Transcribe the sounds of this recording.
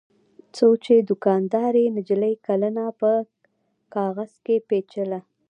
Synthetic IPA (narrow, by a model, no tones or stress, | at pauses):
t͡sot͡ʃed̪ʊkɑnd̪ɑɾenɪd͡ʒləjkalanapə | kɑɣaz̥kepet͡ʃəla